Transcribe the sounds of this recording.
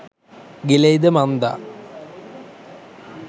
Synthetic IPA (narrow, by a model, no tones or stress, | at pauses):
ɡilejd̪ɐmɐnd̪a̰